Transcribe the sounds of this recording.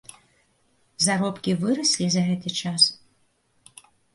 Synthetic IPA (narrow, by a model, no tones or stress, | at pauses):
zaɾɔpkʲivɨɾɐsʲlʲizɐɣɛt̪ɨt͡ʂas